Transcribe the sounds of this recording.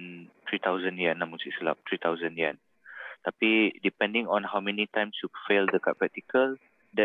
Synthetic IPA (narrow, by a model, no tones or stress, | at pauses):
nt̪ɹit̪awzə̃niãnãmũŋsiʔsəla̰p̚t̪ɹit̪awzə̃njãn | t̪apidipɛ̃ndĩŋɔ̃nhawmɛ̃nitãjmsjufeldəkaʔ̚pɹɛk̚t̪ikəl | dɛ